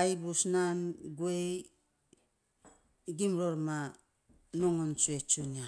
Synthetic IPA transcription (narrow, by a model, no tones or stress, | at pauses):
ajbusnanɡue | ɡimɾoɾma | noŋont͡ʃuet͡ʃunia